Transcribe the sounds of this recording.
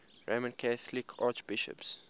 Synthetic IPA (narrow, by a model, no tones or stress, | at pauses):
ɹamə̃nkʰæθlikʰaːt͡ʃb̥ɪʃə̰ps